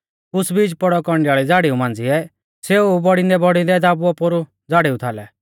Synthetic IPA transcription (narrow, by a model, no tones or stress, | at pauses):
ʊsbiːd͡ʒpɔɽɔkɔɾɳɖɪjaːɭid͡zaːɽiũmãːnd͡ziɛ | seːubɔɽĩnd̪ɛbɔɽĩnd̪ɛd̪aːbuɔpoɾu | d͡zaːɽiut̪ʰaːlɛ